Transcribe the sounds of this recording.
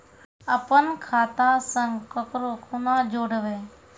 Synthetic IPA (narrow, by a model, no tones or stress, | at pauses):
əpənkʰaːt̪aːsə̃ŋɡkəkɾokʰʊnãːd͡ʒoːɽəʋeː